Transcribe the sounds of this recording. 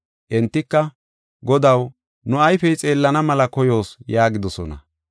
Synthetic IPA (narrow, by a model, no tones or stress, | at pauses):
ʔɛnt̪ːɪkːɐ | ɡɔd̪ɐw | nʊɐjfɛjt͡sʼe̞ːlːɐnɐmɐlɐkɔjo̞ːsjaːɡɪd̪ɔsɔnɐ̰